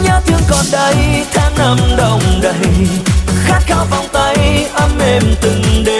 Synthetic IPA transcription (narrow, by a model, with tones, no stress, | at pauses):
ɲə˧˦t̪ʰɨ˧əŋkɔ˨˩nɗə˧jt̪ʰaː˧ŋnə˧mɗə˨˩wŋ͡mɗə˧˨j | xaː˦˥t̚xaː˧˦wva˨˩wŋ͡mt̪a˧jʔə˧mʔe˧˩mt̪ɨ˨˩ŋɗe˧˨